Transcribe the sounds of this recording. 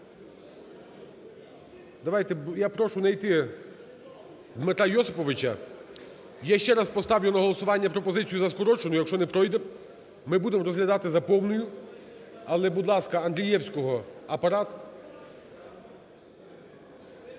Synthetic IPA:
d̪ɐʋɑjt̪ɛjapɾɔʃʊnɐjt̪ɪ | d̪mɪt̪ɾajɔsɪpɔʋɪt͡ʃɐ | jaʃt͡ʃɛɾɑspɔst̪ɑʋjʊnɐɦɔlˠɔsʊʋɑnʲːɐpɾɔpɔzɪt͡sʲijuzɐskɔɾɔt͡ʃenʊjɐkʃt͡ʃɔnɛpɾɔjd̪ɛ | mɪbud̪emɾɔzɦlʲɐd̪ɑt̪ɪzɐpɔwnʊjʊ | ɐlˠɛbud̪lˠɑskɐɐnɦ̪ɾʲijɛwsʲkɔɦɔɐpɐɾɑt̪ʊ̥

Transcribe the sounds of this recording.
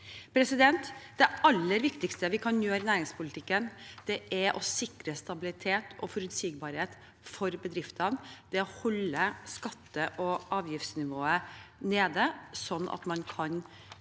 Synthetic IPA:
pʰɾɛsɪd̪ɛnt̪d̪ɛɑlːəɾʋɪkt̪ɪkst̪əʋɪkʰɑnjøːɾnæːɾɪŋspʰʊlɪt̪ʰɪkːənd̪̥ɛʔæɾʔɔ̰sɪkɾəst̪ɑbɪlɪt̪ʰeːt̪ʰɔ̰fɔɾʉt̪siːɡbɑːɾheːt̪ | fɔɾbəd̪ɾɪft̪ənd̪̥ɛɔhɔlːəskɑt̪ːəʔɔʔɑːʋjɪft̪snɪʋoːəneːd̪əsɔnːʔɑ̰t̪mɑnkʰɑn

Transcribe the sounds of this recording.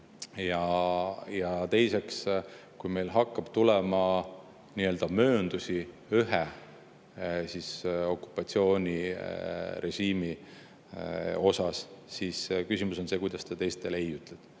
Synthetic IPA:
jɑ | jɑt̪e̞jse̞ks | kujme̞jlɦɑkːɑb̥t̪ulɛmɑ | niø̞ːld̪̥ɑmø̞ːnd̪̥usi | yɦe | siso̞kˑːu̥pːˑɑt̪sio̞ːnʲi | ɾe̞ʒiːmi | o̞sɑsːiskysʲimuso̞nse̞kujd̪̥ɑst̪ɑt̪e̞jst̪e̞lejyt̪ˑlɛd̪̥

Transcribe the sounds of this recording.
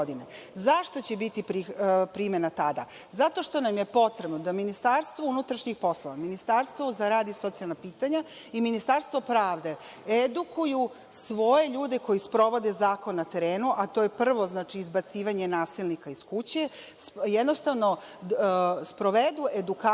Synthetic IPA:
od̪inezaʃt̪o̞t͡ɕebit̪ipɾipɾimenat̪ad̪a̰zat̪o̞ʃt̪o̞namje̞po̞t̪ɾe̞bnod̪aminist̪aɾst̪ʋounut̪ɾaʃɲixpo̞sloʋaminist̪aɾst̪ʋozaɾaːd̪iso̞t̪sijalˠnapiːt̪aɲa | iminist̪aɾst̪ʋo̞pɾaːʋd̪e̞ | ed̪ukuju | sʋo̞je̞ʎuːd̪eko̞jispɾo̞ʋo̞d̪ezaːko̞nːat̪e̞ɾeːnuʔat̪o̞jepr̩ʋo̞znaːt͡ʃiːzbat̪siːʋaɲe̞naːsilnikaiskut͡ɕesjed̪no̞st̪aʋno̞ | spɾo̞ʋed̪uʔed̪uka

